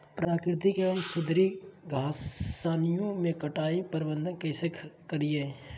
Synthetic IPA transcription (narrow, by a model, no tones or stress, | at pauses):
pɾaːkɾɪt̪ikeənsʊd̪ɾiɡʱaːsaːnijõmẽkɐʈaːipəɾɪbə̃nd̪ənkɛːsekʰkəɾie